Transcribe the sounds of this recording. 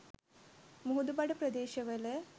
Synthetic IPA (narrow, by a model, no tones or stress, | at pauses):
muɦud̪ubɐɽɨprɐd̪eːɕɐʋɐle